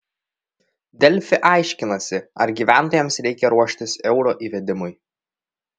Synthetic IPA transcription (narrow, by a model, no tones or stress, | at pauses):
d̪ʲɛlʲfʲɪʔɑˑɪʃʲkʲɪnɐsʲɪɐɾɡʲiːʋʲæˑnˑt̪oːjɛmsɾʲɛɪkʲɛɾuɔʃʲt̪ʲɪsɛʊɾoːʔiːʋʲɛd̪ʲɪmʊj